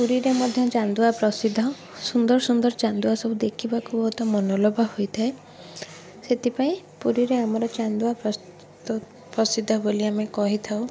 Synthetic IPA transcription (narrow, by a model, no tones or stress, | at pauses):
puɾiɾemɔd̪ʱjɔt͡ʃand̪uapɾɔsid̪ʱːɔ | sund̪ɔɾsund̪ɔɾt͡ʃand̪uasɔbud̪ekʰibakubɔut̪ɔmɔnolɔbʱahojt̪ʰae | set̪ʰipaĩpuɾiɾeamɔɾɔt͡ʃand̪uapɾɔ | pɾɔsid̪ʱːɔboliamekɔɦit̪ʰaw